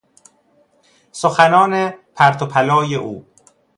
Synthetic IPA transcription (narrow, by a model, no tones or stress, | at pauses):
soxænɒːnepʰæɾt̪ʰopʰælɒːjeʔuː